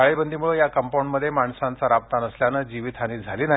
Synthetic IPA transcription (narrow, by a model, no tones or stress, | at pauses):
aɭebənd̪ʱimuɭəjakəmpawɳɖməd̪ʱːjemaɳsãnt͡saɾap̚t̪anəsljanəd͡ʑiʋit̪ʰaniːd͡zʱaliːna